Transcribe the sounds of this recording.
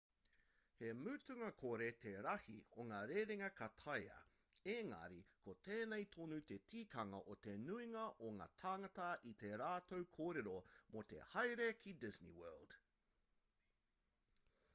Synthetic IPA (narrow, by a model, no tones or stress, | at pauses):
hemʉːtʉŋɐkʰoɾe̞t̪ʰeɾɐhḭoŋaːɾeːɾeŋɐkʰɐt̪ʰɐjɐ̰ | eːŋɐ̰ɾikot̪ʰeːnejt̪ʰonut̪e̞tʰiːkʰɐŋɐ̰ʔot̪e̞nuiŋɐʔoŋa̰ːt̪ʰaːŋɐt̪ɐʔit̪e̞ɾaːt̪ʰowkʰoːɾeɾomot̪e̞̰hɐjɾekʰidɪznḭwɜːld̥